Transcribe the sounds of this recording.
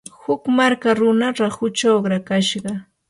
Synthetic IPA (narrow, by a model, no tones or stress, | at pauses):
hʊkmaɾkaɾʊnaɾahʊt͡ʃoɢɾakaʃɢɑ